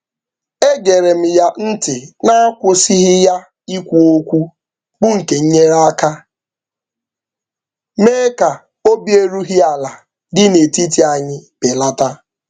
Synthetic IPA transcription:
e˦ɡe˨ɾe˨m̩˨ja˦n̩˦tɪ˨na˦a˦kʷʊ˦si˦ɦɪ˦ja˦ | i˦kʷu˦o˦kʷu˦ | ɡ͡bʊ˦ŋ̩˨ke˨ɲ̩˦ɲe˦ɾa˦a˦ka˦ | me˦ka˨ | o˦bje˦ɾu˦ɦi˦a˨la˨ | dɪ˦ne˨ti˦t̬i˨˦a˨ɲɪ˦pɪ˨la˦ta˦

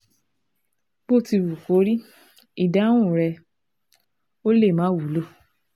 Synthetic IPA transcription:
b̥o˦˨ti˧wu˨ko˨˦ɾi˦ | i˦˨dã˨˦ũ˦˨ɾɛ˧ | o˦le˦˨mãː˨˦wu˨˦lo˦˨

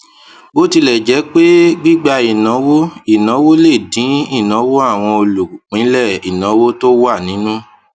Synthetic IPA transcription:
bo˦ti˧lɛ˨d͡ʒɛ˨˦k͡pe˦ɡ͡bi˦ɡ͡ba˧i˨nã˨˦wo˦i˦˨nɔ̃˨˦wo˦le˦˨dĩ˨˦i˦˨nã˨˦wo˦a˦˨w̃ɔ̃˧o˧lu˨kĩ˨˦lɛ˦˨i˨nã˨˦wo˦to˦wa˦˨nĩ˨˦nũ˦

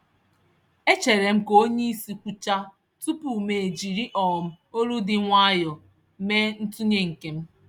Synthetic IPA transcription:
e˦t͡ʃe˨ɾe˨m̩˦ko˦ɲe˦i˦si˨kʷu˦t͡ʃa˦ | tu˦pu˨me˨e˨d͡ʒi˨ɾi˦ʔɔ˨m̩˦ | o˦ɾu˦dɪ˨ŋʷa˦jɔ˨ | me˦n̩˦tu˦ɲe˦ŋ̩˨ke˨m̩˦

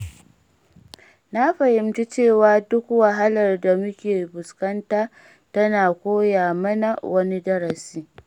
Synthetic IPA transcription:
na˦ɸɐ˨hɪ˨mt͡ʃi˦t͡ʃeː˦˨waː˦dʊ˦kwɐ˨ɦa˦lɐ˨rda˨mʊ˦kʲeː˨bʊ˨skɐ˦ntaː˦ | tɐ˦naː˨kʷoː˦jaː˨mɐ˦na˨wʔɐ˦ni˦dɐ˦ɾɐ˨siː˦

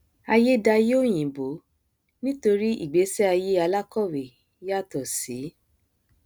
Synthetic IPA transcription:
a˧je˦da˧je˦o˦˨j̃ĩ˨bo˨˦ | nĩ˦to˧ɾi˦ḭ˦˨ɡ͡be˨˦sɛ˦a˧je˦a˧la˦kɔ˦˨we˨ | ja˦˨tɔ˨si˨˦

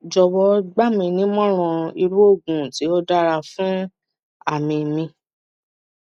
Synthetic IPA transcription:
d͡ʒɔ˨wɔ˦ɡ͡ba˦mĩ˧nĩ˦mɔ̃˦ɾ̃ɔ̃˧i˧ɾu˦o˦˨ɡũ˨ti˨˦ɔ˦da˦ɾa˧fũ˦ | a˦˨mĩ˧mĩ˧

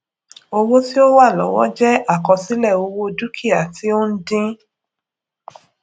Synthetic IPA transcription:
o˧wo˦ti˦o˦wa˦˨lɔ̰˨wɔ̰˨˦d͡ʒɛ˦a˦˨kɔ̃˧si˨˦lɛ˦˨o˧wo˦du˦kʰi˦˨a˨ti˨˦o˦n̩˦dĩ˦

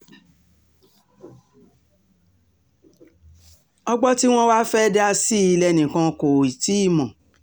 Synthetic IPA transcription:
ɔ˦ɡ͡bɔ˦ti˦w̃ɔ̃˦wa˦fɛ˦dɛ˦a˧si˦i˧lɛ˧˨nĩ˨kã˧ko˨i˨ti˨˦i˦˨mɔ̃˨

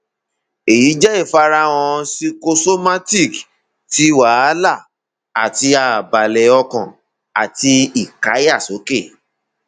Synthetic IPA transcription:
e˨ji˨˦d͡ʒɛ˦e˦˨fa˧ɾa˦˧w̃ɔ̃˧si˧ko˧so˦ma˦ti˦˨k | ti˦wa˨˦a˦la˦˨ | a˨ti˧a˨ba˨lɛ˧ɔ˧kɔ̃˨ | a˨ti˧i˦˨ka˨˦ja˦˨so˨˦ke˦˨

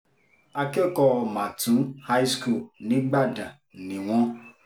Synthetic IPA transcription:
a˧ke˦kɔ˧mã˨tũ˨˦ha˦jsku˦˨nĩ˨˦ɡ͡ba˦˨da˨ | nĩ˨w̃ɔ̃˦

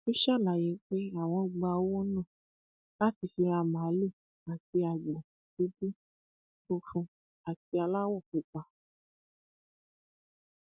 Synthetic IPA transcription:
i˦ʃa˦˨la˨je˨˦k͡pe˦a˦˨w̃ɔ̃˧ɡ͡ba˧˦wo˦nũ˦˨ | la˦ti˧fi˧a˧mã˨˦le˦˨ | a˨ti˧a˨ɡ͡bɔ̃˨ | ki˨˦bi˦ | to˧fũ˧ | a˨ti˧a˧la˦wɔ˦˨ku˨k͡pa˧

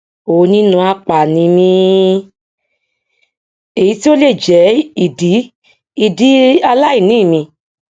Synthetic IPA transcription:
o˨˦˧nĩ˦nũ˧a˧k͡pa˨nĩ˨˧mĩ˧ | e˨i˨˧˦ti˦o˦le˦˨d͡ʒɛ˨˦i˦˨di˨˦ | i˦˨di˨˦a˧la˦i˦˨nĩː˦˨mĩ˧˨

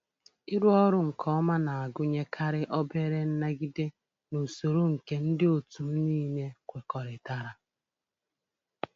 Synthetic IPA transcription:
i˦ɾu˦ɔ˦ɾʊ˦ŋ̩˨kʰɔ˦ma˦na˨a˨ɡʊ˦ɲe˦kʰa˦ɾɪ˦ʔɔ˦be˦ɾe˦n̩˦na˦ɡi˦de˦ | no˨so˨ɾo˦ŋ̩˨ke˦n̩˦dɪ˦o˨tu˨m̩˦niː˦ne˦kʷe˨kɔ˨ɾɪ˨ta˨ɾa˨

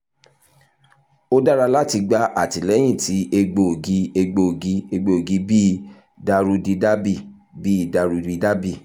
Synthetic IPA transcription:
o˦da˦ɾa˧la˦˨ti˧ɡ͡ba˧˦ʔa˦˨ti˨lɛ˨˦j̃ĩ˦˨tʰi˨˦e˧ɡ͡bo˧o˨ɡi˧˦e˧ɡ͡be˧o˨ɡi˧˦e˧ɡ͡be˧o˨ɡi˧˦bi˦˨ | da˧ɾu˧di˧da˦bi˦˨ | bi˦˨da˧ɾu˧di˧da˦bi˦˨

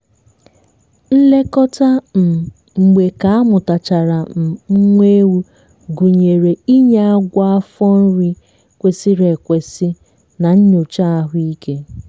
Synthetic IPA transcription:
n̩˦le˦kɔ˦ta˦m̩˨ | ŋ͡m̩˨ɡ͡be˨ka˨a˦mʊ˨ta˨t͡ʃa˨ɾa˨m̩˨ŋ͡m̩˦ŋʷe˦wu˦ | ɡu˨ɲe˨ɾe˨i˦ɲa˦a˦ɡʷa˦a˦fɔ˦n̩˦ɾi˦ | kʷe˨si˦ɾe˨kʷe˨sɪ˦ | na˨ɲ̩˦ɲo˨t͡ʃa˦a˦ɦʊ˦i˦ke˦

